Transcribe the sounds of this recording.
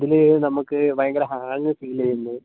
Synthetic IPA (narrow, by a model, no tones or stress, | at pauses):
ðilenɐmukːɨʋɐjɐŋɡɐɾɐɦaːŋːɨsiːlɐjunːu